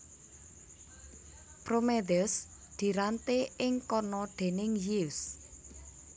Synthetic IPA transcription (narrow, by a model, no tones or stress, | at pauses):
pɾomed̪əs | d̪̥i̤ɾant̪eɪŋkɔnɔɖ̪̥e̤nɪŋjis